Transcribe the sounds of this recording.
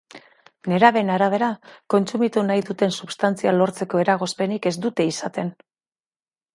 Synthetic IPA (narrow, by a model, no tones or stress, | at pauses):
ne̞ɾaβe̞naɾaβ̞e̞ɾako̞nt͡sumit̪unajðut̪e̞nsuβst̪ant͡sialo̞ɾt͡se̞ko̞e̞ɾaɣ̞o̞spe̞nike̞zd̪ut̪e̞isat̪e̞n